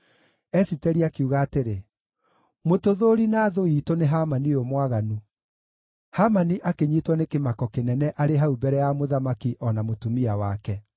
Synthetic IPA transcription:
ɛsitɛɾiakiuɣaːteɾe | motoðoɾinaːðoiːtoneɦamaniomwaɣanu | hamaniʔakeɲitwɔnekemakɔkenɛnɛʔaɾeɦaubɛɾɛjamoðamakiʔɔnamotumiawakɛ

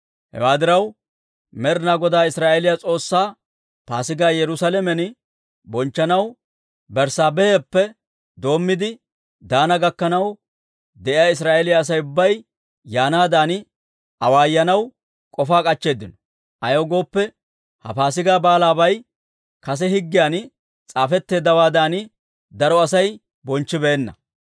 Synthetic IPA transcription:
hɛ̰waːd̪ɪɾɐw | mɛɾnaːɡɔd̪aːɪsɾaːʔelɪjat͡sʼo̞ːsːaː | paːsɪɡaːjɛɾʊsalɛmɛn | bɔnt͡ʃːɐnɐw | bɛɾsaːbɛepːɛ | d̪o̞ːmːɪd̪ɪ | d̪aːnɐɡɐkːɐnɐw | d̪ɛʔɪjaːɪs̬ɾaːelɪjaːs̬ɐjʊbːɐj | jaːnaːd̪aːn | ɐwaːjːɐnɐw | kʼɔfaːkʼɐt͡ʃːe̞ːd̪ːɪnɔ | ʔɐjoɡo̞ːpːɛ | hɐ̰faːs̬ɪɡaːbaːlaːbɐj | kɐs̬ɛɦɪɡːɪjaːn | t͡sʼaːfɛt̪ːe̞ːd̪ːɐwaːd̪aːnɪ | d̪ɐɾɔɐsɐj | bɔnt͡ʃːɪbeːnːɐ̰

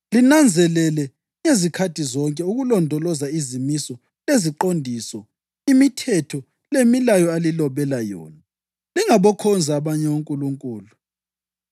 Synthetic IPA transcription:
linand͡zʱɛlɛlɛ | ŋezikʰatʰizɔŋkʼɛuɣulɔndʱɔlɔzaizimisɔ | leziǃondʱisɔ | imitʰɛtʰɔ | lemilajɔalilɔβɛlajɔ̰ːna | liŋaβɔkʰɔnd͡zʱaːβaɲɛwuŋkʼuluŋkʼuːlu

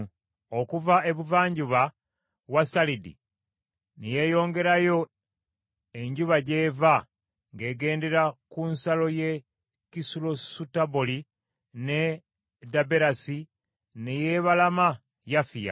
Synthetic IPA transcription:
okuvae̞βuvaːɲɟuβa | βwasalidḭ | nije̞jo̞ːŋɡe̞ɾajo̞ | e̞ɲɟuβaɟe̞ːva | ŋɡe̞ːɡe̞ːnde̞ɾakunsalo̞je̞ | kisulo̞sutaboli | ne̞ | dabe̞ɾasi | neje̞ːβalama | jafija̰

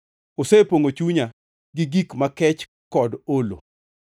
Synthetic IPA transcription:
osepoŋot͡ʃuɲa | ɡɪɡikmakɛt͡ʃ | kɔdolo̰

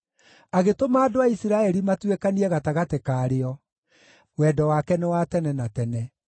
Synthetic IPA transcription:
aɣetomaːdoaisiɾaɛɾimatwekaniɛɣataɣatekaːɾeɔ | wɛdɔwakɛnɛwatɛnɛnatɛnɛ

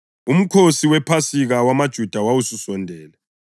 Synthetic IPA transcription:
um̩kʰosiwɛpʰasiɣawamad̥ʒ̥ʱud̥ʱawawususɔndʱɛːlɛ

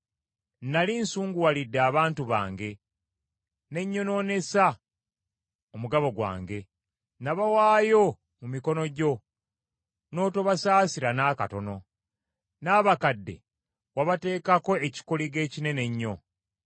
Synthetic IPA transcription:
nalinsuːŋɡuwalidːaːβaːntuβa̰ːŋɡe̞ | ne̞ɲːo̞no̞ːne̞sa | omuɡaβo̞ɡwa̰ːŋɡe̞ | naβawaːjo̞ | mumiko̞no̞ɟo̞ | no̞ːto̞βasaːsiɾanaka̰to̞no̞ | naːβakadːe̞̰ | waβate̞ːkako̞eci̥koliɡe̞ːcine̞ne̞ɲːo̞

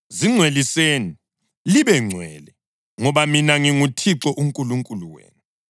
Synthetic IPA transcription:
ziŋ͡ǀʱweliseːni | liβɛŋ͡ǀʱwɛ̰ːlɛ | ŋɔβaminaŋiŋutʰiǁɔʔuŋkʼuluŋkʼuluwḛːnu

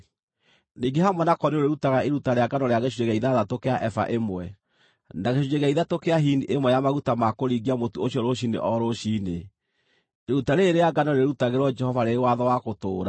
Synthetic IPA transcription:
niːŋɡeɦamwɛnakɔneoɾeɾutaɣaeɾutaɾeaɡanɔɾeaɣeʃueɣaiðaðatokeaʔɛfa̰ʔemwɛ | naɣeʃud͡ʒeɣaiðatokeaɦiniʔemwɛjamaɣutamakoɾiɣiamotuoɕiɔɾoɕinḛʔɔɾoɕine | eɾutaɾeːɾeaɡanɔɾeɾutaɣeɾwɔd͡ʒɛhɔvaɾewaðɔwakotoːɾa

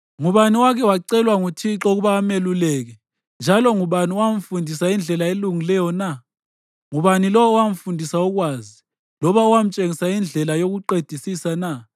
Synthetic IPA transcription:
ŋuβaniwakʰɛwaǀɛlwaŋutʰiǁoɣuβaːmelulɛɣ̬ɛ | nd͡ʒʱalɔŋuβaniwam̩fundʱisaind͡ɮʱɛlaeluŋilɛjɔna | ŋuβanilɔɔːwam̩fundʱisauɣwaːzi | lɔβauwam̩t͡ʃʼeŋisaind͡ɮʱɛlajoɣuǃed̥ʱisisana

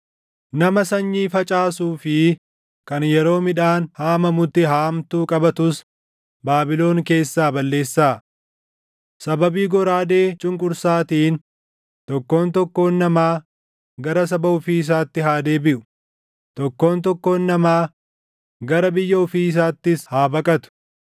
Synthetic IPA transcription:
nɐmɐsɐɲːiːfɐt͡ʃʼaːsuːfɪ | kɐnjɛɾo̞ːmɪᶑaːnhaːmɐmʊt̪ːɪɦaːmt̪uːkʼɐbɐt̪ʊs | baːbɪlo̞ːŋke̞ːsːaːbɐlːe̞ːsːaː | sɐbɐbiːɡɔɾaːd̪e̞ːt͡ʃʼʊŋkʼʊɾsaːt̪iːn | t̪ɔkːo̞ːnt̪ɔkːo̞ːnːɐmaː | ɡɐɾɐs̬ɐbɐʊfiːs̬aːt̪ːɪɦaːd̪e̞ːbɪʔʊ̥ | t̪ɔkːo̞ːnt̪ɔkːo̞ːnːɐmaː | ɡɐɾɐbɪjːɐʊfiːɪs̬aːt̪ːɪshaːbɐkʼɐt̪ʊ̥

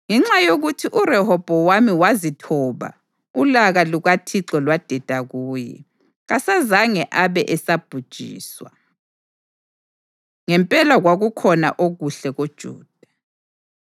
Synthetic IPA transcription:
ŋɛŋ͡ǁajoɣutʰiʔurɛhɔb̥ʱɔwamiwazitʰɔːβa̰ | ulaɣaluɣatʰiǁɔlwad̥ʱɛd̥ʱaɣuːjɛ̰ | ɣasazaŋɛʔaβɛʔɛsab̥ʱud̥ʒ̥ʱḭːswa | ŋɛmpʼɛlaɣwaɣukʰɔna̰ʔoɣuɬɛɣod̥ʒ̥ʱṵːd̥ʱa

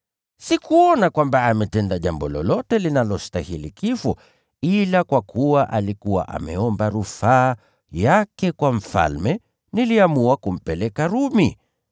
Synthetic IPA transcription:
sikuɔnakwambaamɛtɛndaʄambɔlɔ̰lɔtɛlinalɔstahilikifɔ | ilakwakʰuwaʔalikuwa̰ʔa̰mɛɔmbaɾufaː | jakɛkwam̩fa̰lmɛ | niliamuakum̩pɛlɛkaɾumi

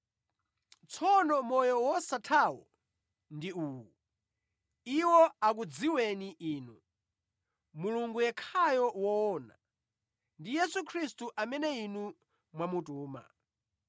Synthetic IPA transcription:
t͡sʰɔnɔmɔjɔwɔsatʰawɔ̰ | ndiuːwu | iwɔak̬ud͡ziwɛniʔiːnu | muluŋɡujɛkʰajɔwɔɔna̰ | ndijɛsukʰɾistuʔamɛnɛinu | mwamutuːma̰

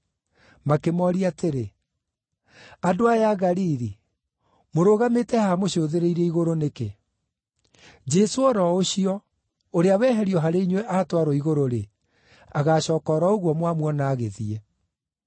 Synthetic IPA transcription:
makemɔɾiateɾe | adoajaɣaɾiɾi | moɾoɣametɛhamoɕoːðeɾeiɾɛiɣoɾoneke | d͡ʒɛsoɔɾɔoɕiɔ | oɾeawɛːɦɛɾiɔɦaɾeiɲwɛʔatwaɾɔiɣoɾoɾe | aɣaːɕɔːkɔɾaoɣwɔmwamwɔnaːɣeðiɛ

